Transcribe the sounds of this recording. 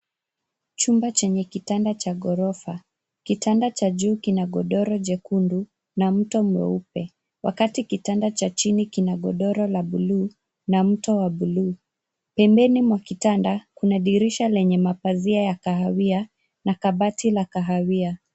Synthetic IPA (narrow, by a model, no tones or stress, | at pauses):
t͡ʃumbat͡ʃɛɲɛkitandat͡ʃaɠɔɾɔfa | kitandat͡ʃaʄuːkinaɠɔɗɔɾɔʄɛkundu | nam̩tɔmwɛ̰upɛ | wʔa̰katikitandat͡ʃat͡ʃinikinaɠɔɗɔɾɔlaɓuluː | nam̩tɔwaɓuluː | pɛmbɛnimwakitandakunaɗiɾiʃalɛɲɛmapaziajakaɦawia | nakaɓatilakaɦawia